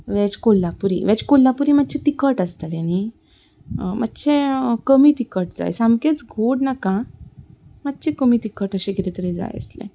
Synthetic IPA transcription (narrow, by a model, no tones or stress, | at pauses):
ʋet͡ɕkolːapuɾḭʋet͡ɕkolːapuɾimat̪ːt͡ɕʰeʈ̪ikəʈəst̪əleni | mʔat̪ːt͡ɕʰẽkəmiʈ̪ikəʈd͡za̰jsamket͡sɡʱoɽnakã | mat̪ːt͡ɕʰẽkəmit̪ikəʈəɕẽkit̪et̪əɾed͡za̰jə̰slḛ̃